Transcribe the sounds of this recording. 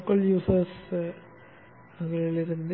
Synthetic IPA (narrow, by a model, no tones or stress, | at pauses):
kːɐljuːsɐɾs | ɐŋɡɐɭiɭiɾɯnd̪